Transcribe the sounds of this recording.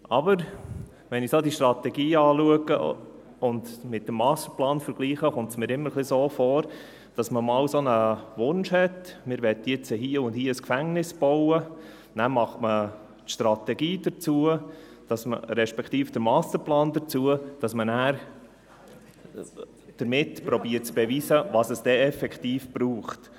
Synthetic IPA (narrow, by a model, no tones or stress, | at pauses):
ʔɑbəɾ | ʋɛnɪsodiʃtrɑtɛɡiːɑːluəɡə | ʊndmɪt̚dəmːɑːst̪əɾplɑːnfəɾɡ̥liːχəχʊmtsmɪːɾɪmːəɾχlisoːfɔːɾ | d̥ɑsməmɑːwsonəʋʊnʃhɛtmɪːɾʋɛt̪jɪt͡səɦiːəʊndhiːəəskfæŋnɪsb̥ɔʊwə | næmɑχtmə | tʃtɾɑt̪ɛɡiːd̥ət͡suə | d̥ɑsmə̰ɾɛʃpɛktiːfd̥əɾmɑːstəɾplɑːndət͡suəd̥ɑsmənæːɾ | d̥əɾmɪtpɾɔbiːətt͡sb̥ɛʋiːsəʋɑsəsd̥ɛɛfɛktiːfb̥ɾuːχt